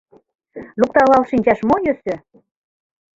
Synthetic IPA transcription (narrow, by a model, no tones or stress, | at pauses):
luk̚t̪ɑlɑlʃinʲt͡ɕɑʃmojøsø